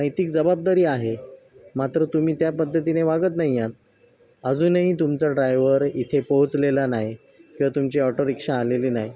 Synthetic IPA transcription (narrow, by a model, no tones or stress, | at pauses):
nəjt̪ikd͡zəbab̚d̪aɾiːaɦe | mat̪ɾət̪umiːt̪japəd̪ʱːət̪̬ineʋaɡət̪naɦijat̪̚ | əd͡zuːnəɦit̪umt͡saɖɾajʋəɾit̪ʰepoɦut͡slelanaɦj | kĩw̃ʋat̪umt͡ɕiɔʈəɾikʂaːleliːnaɦj